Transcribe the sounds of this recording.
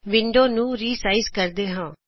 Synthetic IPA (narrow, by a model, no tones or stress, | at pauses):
ʋɪɳɖoːnũːɾiːsaːizkəɾd̪eːɦãː